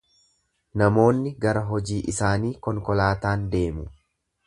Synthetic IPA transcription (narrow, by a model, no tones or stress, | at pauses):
nɐmo̞ːnːɪɡɐɾɐɦɔd͡ʒiːʔɪsaːniːkɔŋkɔlaːt̪aːnd̪e̞ːmʊ